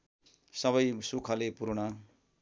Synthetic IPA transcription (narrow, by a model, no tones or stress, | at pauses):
sʌβʌjsukʰʌlepuɾuɽʌ